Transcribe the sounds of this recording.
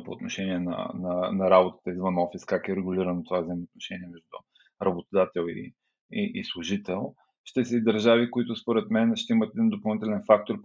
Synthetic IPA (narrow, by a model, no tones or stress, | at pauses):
poːt̪noʃɛniɛnɐ̰nɐnɐɾabot̪ə̥t̪əizvənɔfiskakɛɾɛɡʊliɾɐnot̪ovavzəimot̪noʃɛniɛmɛʒd̪ʊ | ɾɐbot̪od̪at̪ɛlˠḭ | iʔislˠʊʒit̪ɛlˠ | ʃt̪ɛsɛd̪ɐɾʒavikoit̪ʊspoɾɛt̪mɛnʃt̪ɛimət̪ɛd̪ind̪opɐlˠnit̪ɛlɛnfak̚t̪oɾ